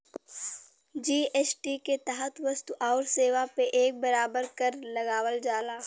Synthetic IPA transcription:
d͡ʒiːeːsʈiket̪aːɦət̪ʋəst̪uʔaːʊɾseːʋapeʔeːk̚bɐɾaːbəɾkɐɾlɐɡaːʋəld͡ʒaːlaː

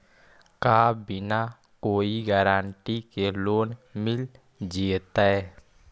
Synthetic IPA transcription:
kaːbɪna | koːiɡəɾaːɳʈikeloːnmɪl | d͡ʒeːt̪aɦɛ

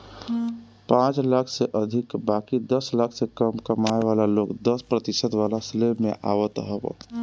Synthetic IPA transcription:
pãt͡ʃlakʰseʔəd̪ʱikbakid̪əslakʰsekəmkəmaeʋalalokd̪əspɾət̪isət̪ʋalaslemːẽʔa̰wət̪ɦəb̰

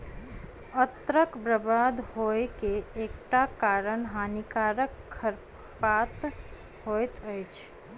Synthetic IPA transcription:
ət̪ɾəkbɾəbad̪hojkeːkʈakaɾənɦanikaɾəkʰːəɾ | pat̪ | ɦojt̪əjt͡ʃʰ

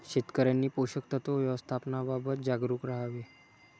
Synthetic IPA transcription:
ɕet̪kəɾjanːiːpoɕək̚t̪ət̪ʋəʋjəʋəst̪ʰapnababət̪̚d͡ʑaɡɾuːkɾaɦaʋe

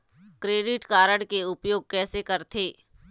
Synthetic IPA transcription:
kɾeːɖɪʈkaːɾəɽkeʊpjoːɡ̚kɛːsekɐɾt̪ʰeː

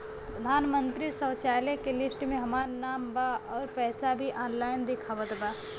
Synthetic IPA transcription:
pɾəd̪ʱaːnmə̃nt̪ɾisəːt͡ʃaːlekelɪsʈmẽɦɐmaːɾnaːmbaɔːɾpɛːsabʱiʔaːnlaːɪnd̪ɪkʰaːʋət̪ba

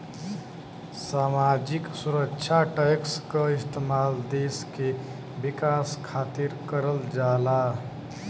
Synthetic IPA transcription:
saːmaːd͡ʒɪksuɾəkʃʰaʈakskəɪst̪emaːld̪eːske | bɪkaːskʰaːt̪iɾkəɾəld͡ʒaːlaː

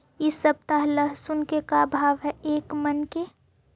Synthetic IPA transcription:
isəb̚t̪aɦləɦsʊnkekabʱaːʋɦɛeːkmənke

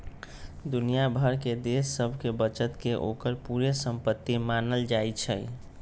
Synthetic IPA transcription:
d̪unijabʱəɾked̪esːəbʱkebət͡ʃət̪keʔo̰kəɾpuɾesəmpət̪ːimanəld͡ʒajt͡ʃʰəj

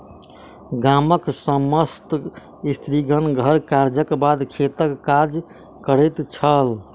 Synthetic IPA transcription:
ɡaməksəməst̪ | ist̪ɾiɡənɡʱəɾkaɾd͡ʒəkbad̪kʰet̪əkːad͡ʒ | kəɽɛt̪t͡ʃʰəl

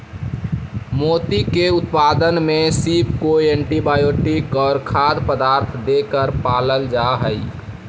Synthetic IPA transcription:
moːt̪ikeʊt̪paːd̪ənmẽsiːp̚koẽːɳʈibaːjoːʈɪkɔːɾkʰaːd̪pəd̪aːɾt̪ʰd̪eːkəɾpaːləld͡ʒaɦəi

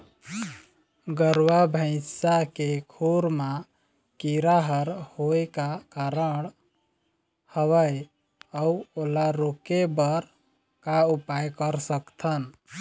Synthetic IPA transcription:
ɡəɾwabʱə̃ɪ̃sakekʰuɾma | kiɾaɦəɾhoekakaɾəɽ | həwəj | əuolaɾokebəɾ | kaupajkəɾsəkt̪ʰən

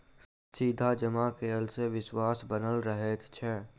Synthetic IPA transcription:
siːd̪ʱad͡ʒəmakeːəlseʋɪʃwaːsbənəlɾəɦet̪t͡ʃʰɛ

